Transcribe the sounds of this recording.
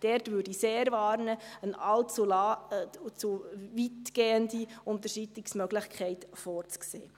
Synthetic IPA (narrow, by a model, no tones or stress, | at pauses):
d̥ɛɾtvʏːɾdiseːɾvɑːɾnəənɑlt͡sulɑ | t͡suvitɡ̥eːəndiʊnt̪əʃitlɪksmœɡlɪχkʰχɛɪtfɔːɾt͡sksḛː